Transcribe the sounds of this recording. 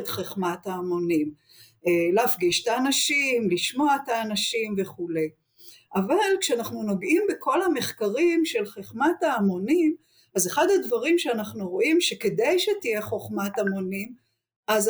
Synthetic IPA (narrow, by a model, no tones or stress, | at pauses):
t̪χeχmat̪haːmo̞nim | eleafɡiʃt̪aːnaʃimliʃmo̞at̪aːnaʃimve̞χule̞j | ʔavalkʃeanaχnuno̞ɡʔimbeko̞lhame̞χkaʁimʃe̞lχeχmataːmo̞nim | azeχad̪advaʁimʃeanaχnuʁo̞ʔimʃeke̞d̪ejʃet̪ije̞χo̞χmatamo̞nim | ʔaz